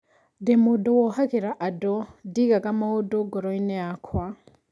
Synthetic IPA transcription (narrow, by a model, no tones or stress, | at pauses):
demudɔwɔhakiɾaʔadɔdiɡaɡamaodoɡɔɾɔineakʰwa